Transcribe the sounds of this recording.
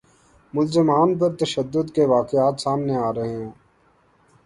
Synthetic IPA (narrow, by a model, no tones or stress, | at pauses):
mʊlzɪmaːnpɐɾt̪ɐʃəd̪ːʊd̪keʋaːkɪaːt̪saːmneaːɾɐɦeɦɛ̃ː